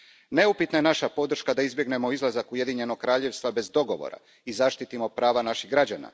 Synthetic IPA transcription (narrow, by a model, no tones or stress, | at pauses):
ne̞upit̪najenaʃapo̞d̪ɾr̩ʃkad̪aizbjeɡne̞mo̞izlˠazakuje̞d̪iɲe̞no̞ɡk̚kɾaːʎe̞ʋst̪ʋabe̞zd̪o̞ɡo̞ʋo̰ɾa̰ | izaʃt̪it̪imo̞pɾaːʋanaʃiɣɡɾad͡ʑana̰